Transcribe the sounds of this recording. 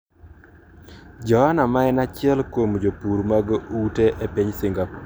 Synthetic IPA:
d͡ʒɔhanamaɛnat͡ʃɪɛlkomd͡ʒopuɾmaɡuteʔepiɲsɪŋɡa

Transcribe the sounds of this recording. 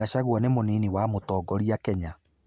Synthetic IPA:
aɕaɣwɔnemoniniwamotɔːɡɔɾiakɛɲa

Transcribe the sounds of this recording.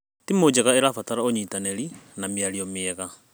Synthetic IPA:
timod͡ʒɛɣaeɾafataɾaoɲitanɛɾinamjaɾiɔmeɛɣa

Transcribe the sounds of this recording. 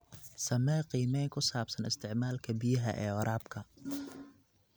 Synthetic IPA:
sɐmɛːqiːmɛjŋkʰʊsaːbsɐnɪst̪ʰɪʕmaːlkʰɐbijɐɦɐ̰ʔɛːɔɾʔaːbkʰɐ

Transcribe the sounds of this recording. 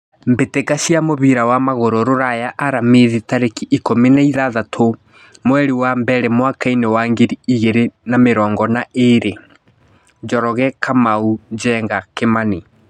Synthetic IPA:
mbetekaɕiamoβiɾawamaɣoɾoɾoɾajaʔaɾameðitaɾekiʔikominaiðaðatʰo | mwɛɾiwambɛɾɛmwakainewaːŋɡiɾiiɣeɾenameɾɔːŋɡɔnaʔeɾe | d͡ʒɔɾɔɣɛkʰamaud͡ʒɛːŋɡakemani

